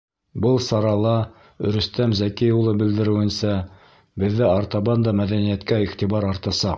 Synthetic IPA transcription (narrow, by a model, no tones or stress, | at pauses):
bɤlˠsɑɾɑlˠɑ | ɵ̆ɾɵ̆st̪æmzækiulˠɤbɘ̆ld̪ɘ̆ɾɘ̆wɘ̆nsæ | bɘ̆ðːæɑɾt̪ɑβɑnd̪ɑmæðænijæt̪kæiχt̪iβɑɾɑɾt̪ɑsɑq